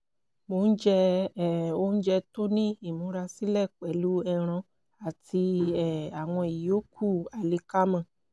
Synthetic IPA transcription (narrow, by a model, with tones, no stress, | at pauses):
mo˨˦n̩˦d͡ʒɛ˧˦˨ | o˧˦n̩˦d͡ʒɛ˧to˦nĩ˦i˦˨mũ˨˦ɾa˧si˦lɛ˦˨k͡pɛ˨˦lu˦ɛ˧ɾ̃ɔ̃˧ | a˨ti˧ɛ˦˨a˨w̃ɔ̃˧i˨ji˨o˦kʰu˦˨a˨le˧˦ka˦mã˧˨